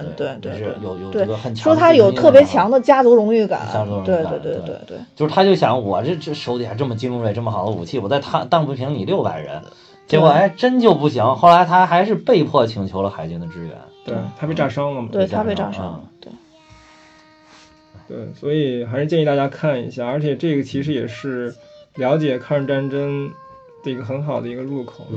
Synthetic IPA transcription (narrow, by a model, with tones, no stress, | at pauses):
t̪we˥˩tt͡ɕ̪wʂɻ̩˥˩˥jo˨˧˩ʊjo˨˩ʊt̪e˥˩˥ɡə˧xə˨˩nt͡ɕʰʂɔ˥t̪ʰa˥jo˨˩ʊtʰɤ˥˩pjɛ˧˥t͡ɕʰjɑ˧˥ŋd̪ə˧t͡ɕja˥t͡su˧˥ɻʊ˧˥ŋy˥˩ka̰˨˩nt͡ɕja˥t͡su˧˥ɻʊ˧˦t̪we˥˧ɪt̪we˥˧t̪we˥˧˥we˥˧ɪt̪wḛ˥˩t͡ɕjo˥˧ʊʂɻ̩ʰ˥˩a˥t͡ɕjo˥˩ʊɕjɑ˧˥ŋwɔ˨ɔ˨˩ʈ͡ʂə˥˩ʈ͡ʂʂo˧˥ʊt̪i˨˩a˧˥ʈ͡ʂə˥˩mə˩t͡ɕi˥ŋɻu˥fe˧˩ʈ͡ʂɤ˥˩mə˩xɑ˨˩ʊd̪ə˦u˨˩t͡ɕʰi˥˩wɔ˨˩t͡sa˥˧ɪt̪ʰa˥˧t̪ɑ˥˧ŋpu˧˥pʰi˧˥ŋni˨˩ljo˥˩ʊpa̰˨˩ɪɻə̰˧˥n | t͡ɕjɛ˧˥kwɔ˨˩e˥˩ɪʈ͡ʂə˥nt͡ɕjo˥˧ʊpu˥˩ɕi˧˥ŋxo˥˩la˧˥ɪt̪ʰa˥ɪxa˧˥ɪʂ̬ɻ̩˥˧pe˥˧ɪpʰwɔ˥˩t͡ɕʰi˧˥ŋt͡ɕʰjo˧˥ʊlə˧xa˧˥ɪt͡ɕi˧˥ŋd̪ə˨ʈ͡ʂɻ̩˥ɥɛ̰˧˥˦nt̪we˥˩ɪt̪ʰa˥pe˥˩ɪʈ͡ʂa˥˩ʂɑ˥ŋlə˨mt̪we˥˩tʰa˥pe˥˧ʈ͡ʂa̰˥˩ʂt̪we˥˩ | t̪wḛ˥˩ɪswɔ˧˥i˨˩xa˧˥ʂɻ̩˥˧t͡ɕjɛ˥˧ni˧t̪a˥˩ja˥kʰa˥˩nḭ˧˥ɕja˥˩ə˞˧˥t͡ɕʰjɛ˨˩ʈ͡ʂɤ˥˩ɡə˩t͡ɕʰi˧˥ʂɻ̩˧˥jɛ˨˩ʂɻ̩˥˩ljɑ˧˥ʊt͡ɕjɛ˨˩kʰɑ˥˧ʈ͡ʂa˥nʈ͡ʂə˥n | d̪̥ə˧˩i˧˥ɡə˧˩xə˧˥nxɑ˨˩ʊd̪ə˦i˧˥ɡə˧ɻu˥˩kʰo˨˩˦